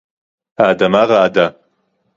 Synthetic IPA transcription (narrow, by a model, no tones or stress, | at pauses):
aːdamaraːda